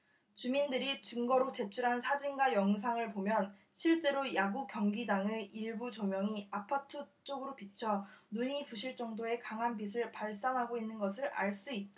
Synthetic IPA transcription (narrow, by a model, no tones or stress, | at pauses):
t͡ɕumindɯɾit͡ɕɯŋɡʌɾot͡ɕe̞t͡ɕʰuɾɦansʰad͡ʑinɡajʌŋs̬ʰaŋɯɭpomjʌnɕʰiɭt͡ɕ͈e̞ɾojaɡukjʌŋɡid͡ʑaŋeiɭbut͡ɕʌmjʌŋiapʰatʰɯt͡ɕ͈oɡɯɾopit͡ɕʰʌnuɲipuɕʰiɭt͡ɕ͈ʌŋdoe̞kaŋɦanbis̬ʰɯɭpaɭs͈anɦaɡoinːɯnɡʌsʰɯɾa̰ɭs͈uit̚t͈